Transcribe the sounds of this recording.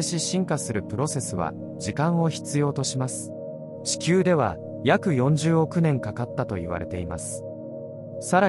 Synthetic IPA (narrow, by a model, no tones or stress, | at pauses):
eɕiɕĩŋkasɨɾɯ̟pɯ̟ɾo̞se̞sɨβa̰ | d͡ʑikãɰ̃o̞çi̥t͡sɨjo̞ːt̪o̞ɕimasɨ̥ | ɕi̥kʲɨːd̪e̞βa̰ | jakɯ̟jõ̞ɲ̟d͡ʑɨːo̞kɯ̟nẽ̞ŋkakat̪ːat̪o̞iβ̞a̰ɾʔe̞̰t̪e̞ima̰sɨ̥ | saɾa